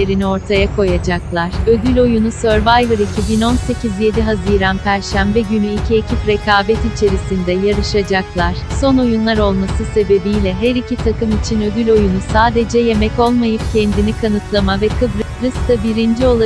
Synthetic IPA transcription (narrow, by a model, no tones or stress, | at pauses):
eɾinio̞ɾt̪ʰajakʰo̞jad͡ʒaklˠaɾ̥ø̞d̪ylʲo̞junusøɾvajvɯɾicʰibino̞nse̞cizje̞d̪iɦaziːɾanpʰæɾʃæmbɛɟynyicʰiecʰipɾe̞kaːbɛt̪it͡ʃʰe̞ɾisind̪ɛjaɾɯʃad͡ʒaklˠaɾ̥so̞no̞junlˠaɾo̞lˠmasɯse̞be̞bijlʲɛɦæɾicʰit̪ʰakɯmit͡ʃʰinø̞d̪ylʲo̞junusaːd̪e̞d͡ʒɛje̞mɛco̞lˠmajɯp̚cʰɛnd̪inikʰanɯt̪lˠamavɛkʰɯbɾbɾɯst̪abiɾind͡ʒio̞lˠa